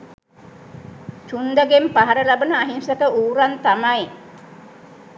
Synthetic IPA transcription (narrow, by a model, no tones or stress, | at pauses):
t͡ʃund̪aɡempaɦaɾəlabənəaɦinsəkəʔuːɾant̪amaj